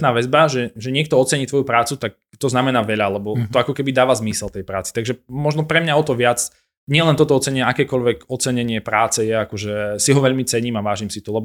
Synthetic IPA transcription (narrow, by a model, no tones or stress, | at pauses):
t̪naːʋɛzbaʒɛʒɛɲɪɛk̚t̪ɔɔt͡sɛɲiːt̪ʋɔjupɾaːt͡sut̪ak̚t̪ɔznamɛnaːʋɛʎalɛbɔt̪ɔakɔkɛbid̪aːʋazmisɛlt̪ɛjpɾa̰ːt͡sit̪aɡʒɛmɔʒnɔpɾɛmɲaɔt̪ɔʋɪat͡s | ɲɪɛlɛnt̪ɔt̪ɔɔt͡sɛɲɛakɛːkɔʎʋɛɡɔt͡sɛɲɛɲɪɛpɾaːt͡sɛjɛakɔʒɛsiɦɔʋɛʎmit͡sɛɲiːmaʋaːʒimsit̪ɔlɛbɔ